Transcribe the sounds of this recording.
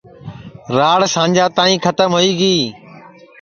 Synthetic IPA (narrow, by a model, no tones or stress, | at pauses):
ɾaːɽsãːɲd͡ʒaːt̪aːĩːkʰət̪əmɦoːiːɡiː